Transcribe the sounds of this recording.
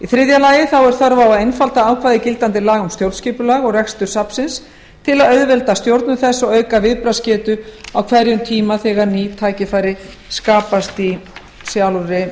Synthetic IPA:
iθɾɪðjalaːjɪθawɛɾ̥θœɾvawaðejnfalt̪aaːwkʰvaːðɪcɪlt̪ant̪ɪlaːɣʏmst̪jowɾlt̪sciːpʏlaːɣɔɣrɛxst̪ʏɾ̥sapsɪns | t̪ʰɪlaðœɥðvɛlt̪ast̪jowɾt̪nʏθɛsːɔœːɥkavɪðpɾascɛːt̪ʏawkʰvɛɾjʏmt̪ʰiːmaθɛɣaɾnit̪ʰaːjcɪfaːjɾɪ | skaːpast̪i | sjawlʏɾɪ

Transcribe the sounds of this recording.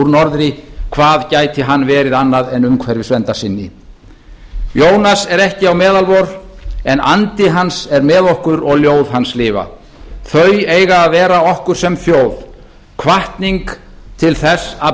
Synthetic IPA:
uɾnɔɾðɾɪkʰvaːðcaːjt̪ɪɦanːvɛːɾɪðanːaðɛnʏmkʰvɛɾvɪsvɛnt̪asɪnːɪ | joːwnasɛɾɛhcɪawmɛːðalvɔɾɛna̰nt̪ɪɦansɛɾmɛːðohkʏɾɔɣljoːwðɦanslɪːva̰ | θœɥjeːjɣaːðvɛːɾaɔhkʏɾ̥sɛmθjoːwð̥ | kʰvaht̪niŋk | t̪ʰɪlθɛsa

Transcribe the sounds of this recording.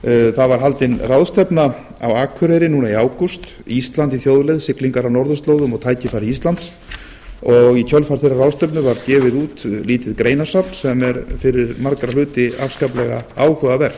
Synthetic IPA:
θaðvaɾ̥ɦalt̪ɪnrawðst̪ɛpna | a̰waːkʰʏɾɛjɾɪnuːnaiaːwkust̪ | ist̪lant̪iθjoːwðlejðsɪkliŋkaɾawnɔɾðʏst̪lowðʏmɔɣt̪ʰaːjcɪfaːɾiist̪lant̪s | ɔɣicʰœlfaɾ̥θejrːarawðst̪ɛpnʏvaɾcɛːvɪðuːt̪liːt̪ɪðkɾeːjnasapn̥sɛmɛɾfɪɾɪɾmaɾkɾalʏːt̪ɪafskaːplɛɣaaːwhœɣavɛɾ̥θ

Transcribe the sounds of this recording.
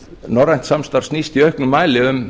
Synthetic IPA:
nɔɾajn̥t̪samst̪aɾ̥snist̪iœɥhknʏmaːjlɪʏm

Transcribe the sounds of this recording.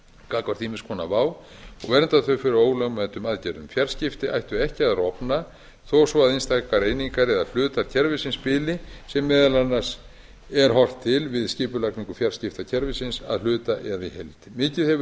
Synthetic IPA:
kaːkvaɾ̥t̪iːmɪskʰɔːna̰vaːw | ɔɣvɛɾɛnt̪aðθœɥfɪɾɪɾoːwlœɣmɛnt̪ʏmaðcɛɾðʏmfjar̥scɪft̪ɪa̰jht̪ʏɛhcɪaðrɔpna | θowsvɔaðinst̪akaɾejniŋkaɾɛðal̥ʏːt̪aɾcʰɛɾvɪsɪnspɪːlɪsɛmːɪːðalanːas | ɛɾ̥ɦɔr̥t̪ʰːɪlvɪðscɪːpʏlakniŋkʏfjar̥scɪft̪acʰɛɾvɪsɪnsa̰ðl̥ʏːt̪aʔɛðaḭhelt̪ɪ̥mɪːcɪðhɛvʏ

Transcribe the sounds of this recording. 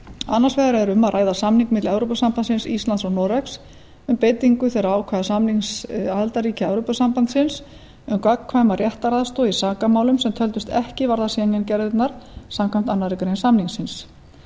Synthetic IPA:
anːḁsvɛːɣaɾɛɾʏmːaðrʔaːjðasamniŋkmɪt̪lɛvɾowpasampansɪnsḭst̪lant̪sɔnɔɾɛks | ʏmpejt̪iŋkʏθeɾaaːwkʰvɛðasamniŋsaðlt̪aɾiːcaɛwɾowpasampant̪sɪns | ʏmkakkʰvaːjmarjɛht̪aɾaðst̪oːisaːkamaːwlʏmsɛmt̪ʰœlt̪ʏst̪ɛhcɪvaɾðasinɛncɛɾðɪt̪naɾ̥samkʰam̥t̪anːaɾikɾejnsamniŋsɪns

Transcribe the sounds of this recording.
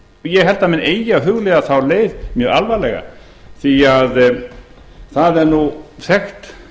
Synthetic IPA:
jɛɣɦɛl̥t̪amɪneːjjaɦʏɣlɛɣaθawleːjðmjœːɣalvalɛɣa̰ | θiað | θaðɛɾnuθɛxt̪

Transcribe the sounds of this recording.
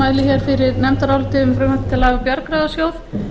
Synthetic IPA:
aːjlɪçjɛɾ̥fɪɾɪɾnɛmt̪aɾawlt̪ɪʏmfɾʏnalt̪t̪ʰɪlːaːɣapjœɾkɾaːðasjoːwð

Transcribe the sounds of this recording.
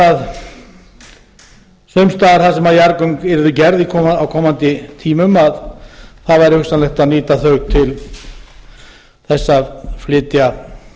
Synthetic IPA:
að | sœɥmst̪aːðaɾ̥θasɛmaðjaɾkœɥŋkɛɾðʏcɛɾðikʰɔawkʰɔːmant̪ɪt̪ʰiːmʏmaðθaðvajɾɪhʏkst̪anlɛxt̪aðniːt̪aθœɥɣt̪ʰɪl | θɛsːaflɪːt̪ja

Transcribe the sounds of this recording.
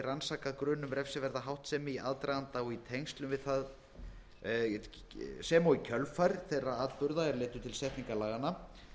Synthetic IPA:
ransaːkaðkɾʏːnʏmɾɛfsɪvɛɾðaɦawht̪sɛmiʔa̰ðt̪ɾajðant̪aɔɣit̪ʰejŋst̪lʏmvɪðθað | sɛmawicʰœlfajɾθejrːaaːt̪pʏɾðaɛɾlɪːt̪ʏt̪ʰɪlsɛht̪niŋkalaːɣana

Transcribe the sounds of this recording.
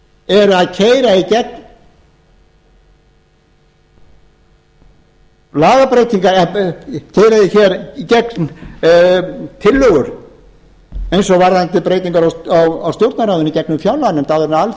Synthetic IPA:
ɛɾʏaðcʰeːjɾaicɛkn | laːɣapɾejt̪iŋkaɾ | cʰeːjɾaiçɛɾicɛkn | t̪ʰɪlːœɣʏɾ̥ | ejnsɔɣvaɾðant̪ɪlpɾeːjt̪iŋkaɾaawawst̪jowɾt̪naɾawðʏnicɛknʏmfjawlːanɛmt̪aðɛɾnaal

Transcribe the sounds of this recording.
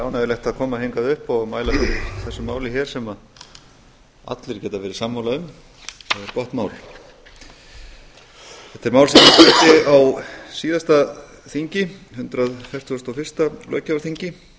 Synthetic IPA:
aːwnavɪɾlɛjht̪aðkʰɔːmaheŋkaðʏhpɔɣmaːjlat̪ɪθɛsːʏmaːwlɪçɛːɾ̥sɛma | a̰t̪lɪɾ̥cɛːt̪avɛːɾɪ̥samːawlaðʏm | θaðɛɾpɔht̪mawl | θθɛht̪ːɛɾmaːwlsɛmat̪ɛt̪ɪawsiːðast̪a | θiɲcɪhʏnt̪ɾaðfɛr̥t̪ɔst̪awfɪr̥st̪alœ̰ːɥcaaɾθiɲcɪ

